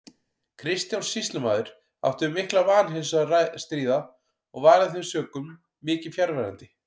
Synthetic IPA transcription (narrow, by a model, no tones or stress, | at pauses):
kʰɾɪst̪jawnsist̪lʏma̰ːðʏɾ̥ | a̰ft̪ʏmɪhklavaːnɦɪnsɾast̪ɾiːða | ɔɣvaːɾaðθɪsœːkʏmː | ɪːcɪ̥fjaɾvɛɾa̰nt̪ɪ